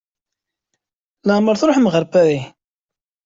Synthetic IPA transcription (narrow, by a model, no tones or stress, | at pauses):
ləʁməɾθɾˤoħmʁəɾpæɾi